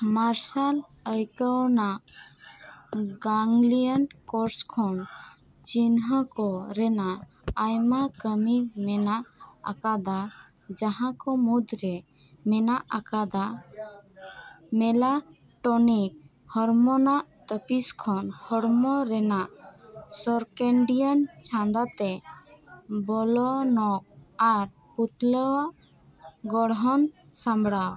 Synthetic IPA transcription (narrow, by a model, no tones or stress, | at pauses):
maɾsal | əjkənaʔ | ɡaŋlijənkɔɾskʰɔn | t͡ʃinɦəkɔɾɛnaː | jmakəmimɛnaʔa̰kad̪a | d͡ʒaɦãkɔmud̪ɾɛ | mɛnaʔakad̪a | mɛla | ʈɔnik̚ | hɔɾmɔnaʔt̪əpiskʰɔnhɔɽmɔɾɛnaʔsɔɾkɛɳɖijənt͡ʃʰãnd̪at̪ɛ | bɔlɔnɔk̚aɾ | hut̪lɔwaʔ | ɡɔɽɦɔn | sãmbɽaw